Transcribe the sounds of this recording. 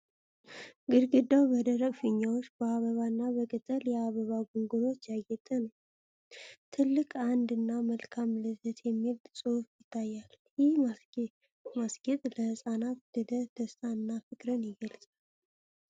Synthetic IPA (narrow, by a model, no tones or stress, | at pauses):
ɡɨɾɡɨd̪ːawbəd̪əɾəkʼfɨɲːawot͡ʃːbəaβəβanːaβəkʼət̪ʼːəljɛaβəβaɡuŋɡulo̞t͡ʃːjajːɛt̪ʼənəw | t̪ʰɨlːɨkʼand̪ɨnːaməlkʰamləzət̪jɛmːilsʼɨhufjɪt̪ʰːajːal | jɪhm | masɡ̥ɛt̪ʼləhɨsʼanat̪ləd̪əd̪̥ʰəst̪ʰanːafɨkʼɾənjɪɡəlsʼal